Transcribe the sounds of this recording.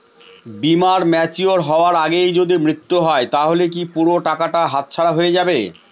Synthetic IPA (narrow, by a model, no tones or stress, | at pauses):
bimaɾmɛt͡ɕioɾɦɔoaɾaɡejd͡ʑod̪imɾit̪ːuɦɔet̪aɦolekipuɾoʈakaʈaɦat̪̚t͡ɕʰaɽaɦoed͡ʑabe